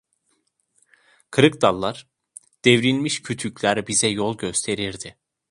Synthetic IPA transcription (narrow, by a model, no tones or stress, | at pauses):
kʰɯɾɯkd̪alˠːaɾ̥ | d̪̥evɾilʲmiʃcʰyt̪ʰycʰʲlʲæɾbizɛjolˠɟø̞st̪ʰe̞ɾiɾd̪ɪ